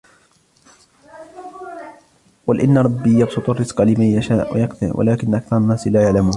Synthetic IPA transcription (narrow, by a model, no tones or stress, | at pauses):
walʔɪnːaɾˤɑbːiːjɑbsʊt̪ˤɑrˤːɪsqɑlɪmajːaʃaːʔwa̰jɑkθɪ̰ɾwʔa̰laːkɪnʔakθɑɾˤɑnːaːslaːjaʕlamuːn